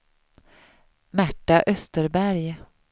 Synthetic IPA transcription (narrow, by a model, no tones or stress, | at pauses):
mæʈːaʔœst̪əɾbæɾj